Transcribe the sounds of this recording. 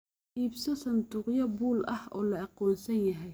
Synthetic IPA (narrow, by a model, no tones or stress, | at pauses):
iːbsɐsɐnt̪ʊːqjɐbuːlɐhɔ̰ːlɐɑqɔːnsɐnjɐɦɛj